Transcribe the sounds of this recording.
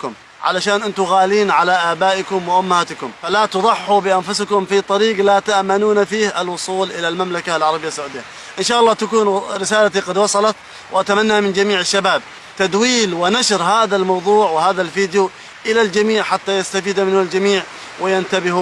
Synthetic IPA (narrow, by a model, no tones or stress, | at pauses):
kʊm | ʕa̰laʃaːnʔɪnt̪ʊɣaːliːnʕalaʔabaːʔɪkʊmwɪʔʊmːahaːt̪ɪkʊmfalat̪ʊðˤɑħːubɪʔanfʊskʊmfit̪ˤɑɾiːɡlat̪aʔmanuːnafiːhɪlwʊsˤuːlʔɪlalmamlakalʕɑɾˤɑbɪjasːʕuːd̪ɪjːa | ʔɪnʃaːʔɑlˤːɑːt̪akuːnɾɪsaːlat̪iqɑd̪wɑsˤɑlɑt̪ | wʔat̪amanːamɪnd͡ʒamiːʕɪʃːabaːb̚ | t̪ad̪wiːlwɪnaʃɾɦaːðalmɑwðˤuːʕwɪhaːðalfiːd̪ju | ʔɪlald͡ʒamiːʕħat̪ːajast̪afiːd̪amɪnːʊld͡ʒamiːʕ | wɪjant̪abɪhu